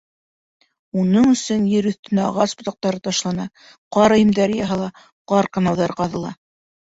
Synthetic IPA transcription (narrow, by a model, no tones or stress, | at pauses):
unɤɴɵ̆sɵnjɘ̆ɾɵ̆θt̪ɘ̆næɑʁɑsbŏt̪ɑq̚t̪ɑɾɤt̪ɑʃlˠɑnɑ | qɑɾɑjɘ̆md̪æɾɘjɑɦɑlˠɑ | qɑɾqɑ̆nɑwðɑɾqɑðɤ̆lˠɑ̰